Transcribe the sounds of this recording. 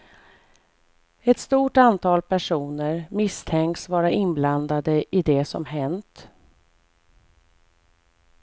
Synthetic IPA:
ɛt̪st̪uːʈant̪ʰɑːlpʰæʂuːnəɾmɪst̪ʰɛŋksvɑːɾaʔɪnbland̪ad̪əʔɪd̪ɛsɔ̰mɦɛnt̪

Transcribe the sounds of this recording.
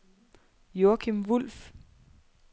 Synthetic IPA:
joɐkʰimʋul̰f

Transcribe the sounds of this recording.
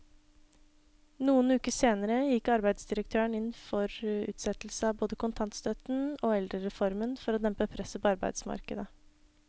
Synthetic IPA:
nuːənʉːkəseːnəɾəjɪkːɑɾbæɪd̪sd̪ɪɾək̚t̪ʰøːəɳɪnːfɔɾʉ̰ːt̪sɛt̪l̩səɑːboːd̪əkʰʊnt̪ʰɑnt̪st̪œt̪noːɛld̪ɾəɾɛfɔɾmənfɔɾoːd̪ɛmpəpʰɾɛsəpɔɑɾbæ̰ɪd̪smɑ̰ɾkəd̪ə

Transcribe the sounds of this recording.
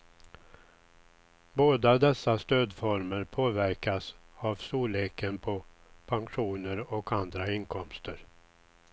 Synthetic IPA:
boːd̪ad̪ɛsːast̪øːd̪fɔɾməɾpʰoːvæɾkasavsuːleːkənpʰɔpʰaŋɧuːnəɾɔkʰand̪ɾaɪnkʰɔmst̪əɾ

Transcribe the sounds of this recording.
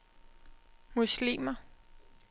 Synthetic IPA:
muslḭːmɐ

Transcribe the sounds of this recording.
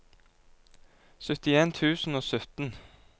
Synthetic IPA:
sœt̪ɪeːnt̪ʰʉːsn̩oːsœt̪n̩

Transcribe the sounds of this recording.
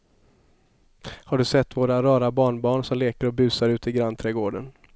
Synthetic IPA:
haɖɵsɛt̪ːvoːɾaɾɑːɾabɑːɳbɑːɳsɔmleːkəɾɔbʉ̟ːsaɾʉ̟ːt̪ɪɡɾanːt̪ʰɾɛːɡoːɖən

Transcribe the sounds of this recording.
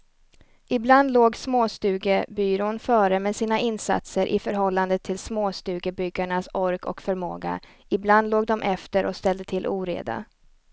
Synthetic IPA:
ɪbland̪loːɡsmoːst̪ʉ̟ːɡəbyːɾoːnfœːɾəmɛsiːnaʔɪnsa̰t̪səɾʔɪ̰fœɾɦɔlːand̪ət̪ʰːɪlsmoːst̪ʉ̟ːɡəbʏɡːaɳasɔɾkʰɔ̰kfœɾmo̰ːɡa̰ | ɪbland̪loːɡ̚d̪ɔmʔɛft̪əɾʔɔ̰kst̪ɛld̪ət̪ʰɪlʔṵːɾḛːd̪a̰

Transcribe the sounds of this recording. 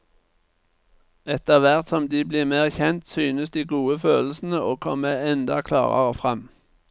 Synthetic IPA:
ɛt̪əʁʋæʁt̪sɔmd̪iːbliːʁmæːʁçɛnt̪syːnəsd̪iːɡuːəføːll̩sn̩əoːkʰɔməɛnd̪ɑkʰlɑ̰ːʁɑ̰ʁə̰fʁɛm

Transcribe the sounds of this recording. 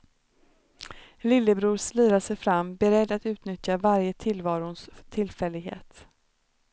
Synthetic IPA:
lɪlːəbɾuːslyːɾaʂɛjfɾamːbɛɾɛd̪ːat̪ʉ̟ːt̪nʏt̪javaɾjət̪ʰɪlvɑːɾʊnst̪ʰɪlfɛlːɪɡɦḛːt̪

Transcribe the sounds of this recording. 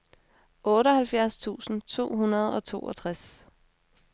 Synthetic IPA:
ʔɔ̽ːɾəhælfjæɐst͡sʰṵːsn̩t͡sʰo̝̰ːɦunɐð̞̩ˠɒ̽t͡sʰo̝̰ːʔɒt͡sʰʁas

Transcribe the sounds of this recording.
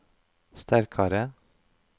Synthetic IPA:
st̪ʰæɾkʰɑɾə

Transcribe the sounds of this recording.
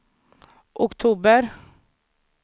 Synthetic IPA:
ʔʊkt̪ʰuːbəɾ

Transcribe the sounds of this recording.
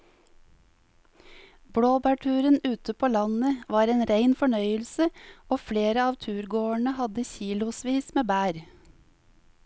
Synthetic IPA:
bɽoːbæːʈʰʉːɾənʉːt̪əpʰoːlɑnəʋɑːɾeːnɾæɪnfɔɳœʏəlsəoːfleːɾəɑːʋt̪ʰʉːɾɡoːəɳəhɑd̪əçiːlʊsʋiːsmeːbæːɾ

